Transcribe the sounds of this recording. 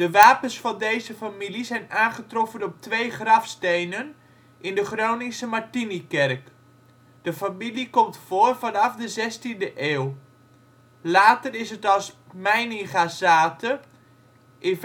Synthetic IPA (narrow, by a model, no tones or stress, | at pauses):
d̥əʋaːpənsfɑndejzəfamilizɛjnaːnχətrɔfənɔp̚tʋejχrɑfstejnən | ʔɪndəχrownɪsəmaɹtinikɛrk | d̥əfamilikɔmtfoːrvɑnɑfdəzɛstindəʔeːw | laːtərɪsətɑlˠsmɛjnɪŋχazaːtə | ʔɪn